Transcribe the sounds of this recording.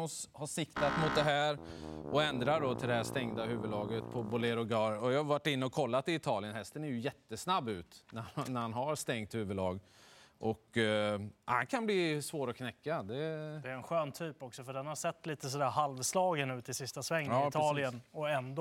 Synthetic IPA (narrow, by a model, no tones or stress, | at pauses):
s | haʂɪkt̪at̪mʊt̪̚d̪ɛɦæːɾʔɔɛnd̪ɾaɖɔt̪ʰɪld̪ɛhæʂt̪ɛŋd̪aɦʉ̟ːvəd̪ɑːɡət̪pʰɔbʊlɛɾʊɡɑːɾɔjɑːhaɾvaʈːɪnːəɔkʰɔlːat̪ɪɪt̪ʰɑːlɪənhɛst̪ənæɾjɵjɛt̪ːəsnabːʉ̟ːt̪nænæɾhanɦaɾst̪ɛŋt̪hʉ̟ːvəd̪lɑːɡʔɔk | hankʰanblɪsvoːɾɔkʰnɛkːad̪ɛd̪ɛɾɛnɧøːnt̪ʰyːpɔksɔfœɖɛnhaɾsɛt̪ːliːt̪əsɔd̪æːɾhalvslɑːɡənːʉ̟ːt̪ʰɪlsɪst̪asvɛŋːɪt̪ʰɑːlɪənɔɛnd̪